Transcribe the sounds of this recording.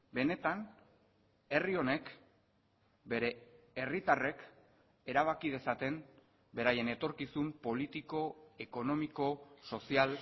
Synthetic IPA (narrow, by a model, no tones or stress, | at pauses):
be̞ne̞t̪an | e̞rio̞ne̞k | be̞ɾe̞ːrit̪are̞k | e̞ɾaβ̞akið̞e̞sat̪e̞m | be̞ɾaje̞ne̞t̪o̞ɾkisumpo̞lit̪iko̞e̞ko̞no̞miko̞so̞sial